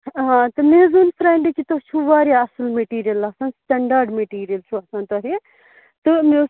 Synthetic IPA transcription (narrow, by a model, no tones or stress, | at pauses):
ɦãːt̪ɨmeːzunfɾaːɳɖikit̪ot͡ʃʰuʋaːɾjaɐsɨlmeʈiːɾijɐlɐsãːnsʈɐɳɖaːɾɖmeʈiːɾijɐlt͡ʃʰuɐsãːnt̪oɦe | t̪ɨme